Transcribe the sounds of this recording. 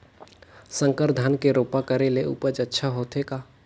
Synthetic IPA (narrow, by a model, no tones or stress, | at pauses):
sə̃ŋkəɾd̪ʱankeɾoːpakəɾeleṵpəd͡ʒətːʃʰaɦot̪ɦeka